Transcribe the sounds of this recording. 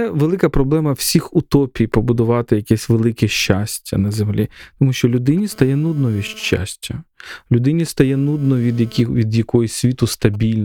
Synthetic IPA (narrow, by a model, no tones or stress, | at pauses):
ɛʋelˠɪkɐpɾɔblˠɛmɐwsʲixʊt̪ɔpʲijpɔbʊd̪ʊʋɑt̪ɪjɐkɛsʲʋelˠɪkɛʃt͡ʃasʲtʲːɐ̰nɐzemlʲḭt̪ɔmuʃt͡ʃɔlʲʊd̪ɪnʲist̪ɐjɛnud̪nɔʋʲiʃt͡ʃːa̰sʲtʲɐlʲʊd̪ɪnʲist̪ɐjɛnud̪nɔʋʲid̪jɐkʲiʋʲid̪jɐkɔjɔsʲʋʲit̪ʊst̪ɐbʲilʲn